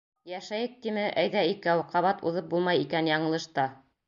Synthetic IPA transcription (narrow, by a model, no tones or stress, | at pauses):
jæʃæjɘk̚t̪imɘʔæjðæikæwqɑβɑt̪ṵðɤp̚bulˠmɑjikænjɑɴɤ̆lˠɤ̆ʃt̪ɑ